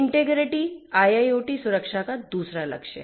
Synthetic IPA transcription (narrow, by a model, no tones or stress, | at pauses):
ɳʈeɡɾiʈiːajajoʈiːsuɾəkʂakad̪usɾalə̰kʂḛ